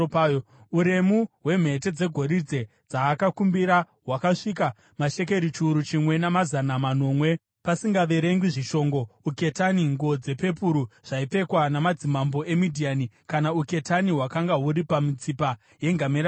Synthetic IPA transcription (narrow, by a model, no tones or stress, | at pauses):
uɾe̞muɦwe̞m̤e̞t̬e̞d͡ze̞ɡʱo̞ɾid͡ze̞ | d͡zaːkakumbiɾa | ɦwakaʂika | maʃe̞ke̞ɾit͡ʃuːɾut͡ʃimwe̞namazanamano̞ːmwe̞ | pasiŋɡaʋe̞ɾe̞ŋɡiʐiʃo̞ŋɡo̞uke̞taniŋɡo̞d͡ze̞pe̞p̬uɾuʐ̥aipe̞kwanamad͡zimambo̞e̞midʱianikanauke̞taniwakaŋɡaɦuɾipamit͡sipa | je̞ŋɡameɾ